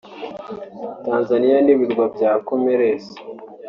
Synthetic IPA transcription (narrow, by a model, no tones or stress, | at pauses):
taːnzanijaniβiɾɡwabjaːkomeɾesi̥